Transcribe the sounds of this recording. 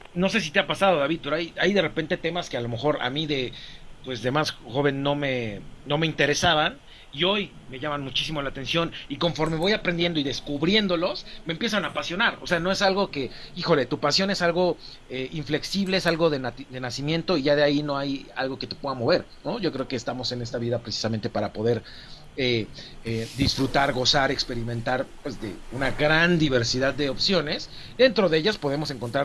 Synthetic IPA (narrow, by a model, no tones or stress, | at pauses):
no̞s̬e̞s̬it̪eapasaðo̞ðaβið̚peɾoajajðe̞re̞pe̞nt̪e̞t̪e̞maske̞alo̞me̞xo̞ɾa̰mĩðe̞pwe̞sðe̞masxo̞β̞e̞nːo̞me̞no̞me̞int̪e̞ɾe̞saβan | io̞j | me̞ʝamanmut͡ʃisimo̞lat̪e̞nsjo̞niko̞ɱfo̞ɾmeβo̞japɾe̞nd̪jend̪oiðe̞skuβɾje̞nd̪o̞lo̞sme̞ːmpje̞s̬anapasjo̞naɾo̞̰se̞ano̞esalɣo̞ke̞ixo̞le̞t̪upasjo̞ne̞salɣo̞ | eiɱfle̞ksiβle̞esalɣoðenat̪d̪e̞nasimje̞nt̪o̞iʝaðeaino̞aja̰lɣo̞ke̞t̪e̞̥pweðamo̞βe̞ɾ | no̞ʝo̞kɾe̞okeːst̪amo̞se̞ne̞st̪aβiðapɾesi̥same̞nt̪e̞paɾapo̞ðe̞ɾ | eed̪isfɾut̪aɾɣo̞saɾe̞kspe̞ɾimẽ̞nt̪aɾpwe̞zðe̞̰unaɣɾand̪iβ̞e̞ɾsiðaðːeo̞psjo̞ne̞s | d̪ent̪ɾo̞ðe̞eʝaspo̞ð̞e̞mo̞seŋko̞nt̪ɾaɾ